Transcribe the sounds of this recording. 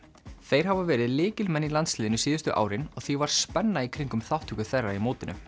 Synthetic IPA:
θejɾ̥ɦavavɛːɾɪðlɪːcɪlmɛnːilant̪slɪːðɪnʏsiːðʏst̪ʏʔa̰ːwɾɪnɔɣθivaɾ̥spɛnːaikʰɾiŋkʏmθawht̪hʏkʏθɛrːaimoːwt̪ɪnʏ̰

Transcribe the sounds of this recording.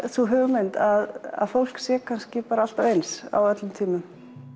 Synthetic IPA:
θuɦœːvʏmejnt̪aða̰ðfowl̥ksjɛkʰanscɪpaːɾaal̥t̪avejnsa̰wœt̪lʏmt̪ʰiːmʏm

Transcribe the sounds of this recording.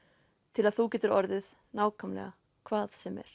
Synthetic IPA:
t̪ʰɪlaðθucɛːt̪ʏɾɔɾðɪð | naːwkʰœmlɛ̰ɣa | kʰvaːðsɛmɛ̰ɾ̥

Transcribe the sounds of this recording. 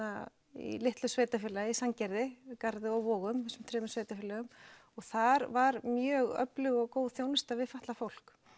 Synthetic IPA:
a | ḭlɪht̪lʏsveːjt̪afɪːlaisaŋcɛɾðɪkaɾðɪɔɣvɔːɣʏmɛsːʏmt̪ʰɾɛːmʏsveːjt̪afɪlœɣʏmɔɣθaɾvaɾmjœːɣœ̰plʏɣɔɣkoːwðθjoːwnɪst̪aðvɪðfaht̪lafowl̥k

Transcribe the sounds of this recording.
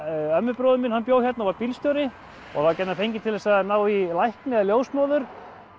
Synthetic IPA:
œmːʏpɾɔwðʏmɪnhanpjoːwçjɛt̪naɔvaɾpilst̪jowɾɪ | ɔ̰ɣθacɛt̪nafejɲcɪt̪ʰɪlɛsaðnaːwilajhknɪɛðaljoːwsmɔːwðʏɾ̥

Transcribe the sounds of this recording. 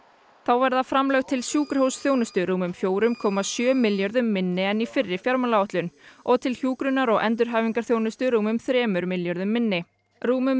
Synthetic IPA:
θawvɛɾðafɾamlœɣt̪ʰɪlsjuːkɾɪ̥howsθjownʏst̪ʏɾuːmʏmfjoːwɾʏmkʰɔːmasjœːmɪljœɾðʏmːɪnːɪɛnːifɪrːɪfjaɾmalaɔht̪lʏnɔɣt̪ʰɪlçjuːkɾʏnːaɾɔɣɛ̰nt̪̬ʏɾ̥ɦaːjviŋkaɾ̥θjownʏst̪ʏɾuːmʏmθɾɛːmʏɾmɪljɔɾðʏmːɪnːɪ | ruːmʏm

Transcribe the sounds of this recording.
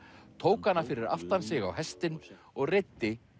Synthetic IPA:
t̪ʰoːwkanːafɪɾɪɾa̰ft̪ansɪɣa̰wɦɛst̪ɪn | ɔɣrɪt̪ːɪ

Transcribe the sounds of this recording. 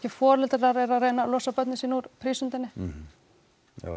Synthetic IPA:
cɪfɔːɾlɛlt̪ɪɾaɾɛɾaɾeːjnalɔsapœt̪nɪsiːnuɾpʰɾiːsʏnt̪ɪnːɪ

